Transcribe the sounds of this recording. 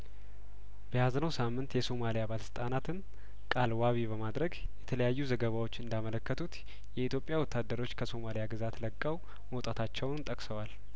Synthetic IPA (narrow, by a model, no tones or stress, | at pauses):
b̥əjaznəwsamːɨnt̪jɛso̞malijabaləsɨ̥t̪ʼanat̪ʰɨn | kʼalwaβibəmad̪ɾəɡjɛt̪ʰələjajːuzəɡəβawo̞t͡ʃːɨnd̪amələkːət̪ʰut̪ | jɛit̪ʰjopʼːjawɔt̪ːad̪ːəɾo̞t͡ʃːkʰəso̞malijaɡɨzat̪ləkʼːəw | məwt̪ʼat̪ʰat͡ʃːɛwnnt̪ʼəkʼsəwal